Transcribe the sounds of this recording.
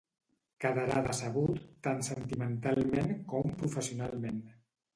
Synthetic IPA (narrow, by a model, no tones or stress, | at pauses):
kaðaɾaðəsəβut̪ːansənt̪imənt̪alˠmenkɔmpɾufəsiunalˠmen